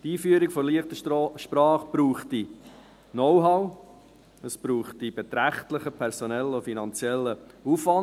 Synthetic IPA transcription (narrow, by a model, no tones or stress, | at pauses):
tiːfyəɾiɡ̥fɔliəχt̪əʃpɾɑːχb̥ɾuːχti | nɔwɦɑw | əsb̥ɾuːχtib̥et̪ɾæχtləχəpʰɛɾsɔnɛlːofinɑnt͡sjɛlːəufvɑn